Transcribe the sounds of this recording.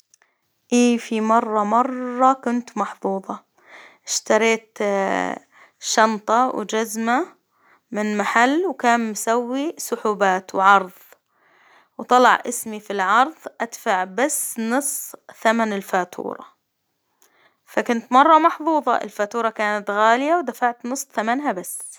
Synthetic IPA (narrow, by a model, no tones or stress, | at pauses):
ʔiːfimɑrˤːɑmɑrˤːɑkʊnt̪mɑħðˤuːðˤɑ | ʔɪʃt̪ɑɾˤeːt̪ | ʃɑnt̪ˤɑwd͡ʒazma | mɪnmaħalːwkaːnmsawːisʊħuːbaːt̪wʕɑɾˤðˤ | wt̪ˤɑlɑʕʔɪsmifilʕɑɾˤðˤʔad̪faʕbasːnɨsˤθamanɪlfaːt̪ʰṵːɾˤɑ̰ | fakʊnt̪mɑrˤːɑmɑħðˤuːðˤɑ̰ʔɪ̰lfaːt̪uːɾˤɑkaːnat̪ɣaːlɪjawd̪afaʕt̪nɨsˤːθamanɦabasː